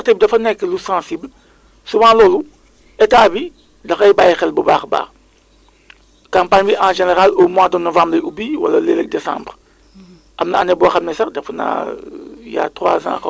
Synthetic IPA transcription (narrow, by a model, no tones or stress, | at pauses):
teb̚dɐfɐnɛkːəlusãːsibl | suwãlɔːlu | etaːbi | dɐxɐjbaːjxɛlbuba̰ːxba̰ː | kãːmpaɲbiʔãːʒeneʁalomwãːdənɔvãːmbɾeubiwa̰lɐleːlek̚desã̰ːmbʁ | ʔɐmnɐɐnɛbɔːxɐmnɛsɐdɐfɐna̰ | ja̰ːtʁwa̰ːzã̰ːkɐ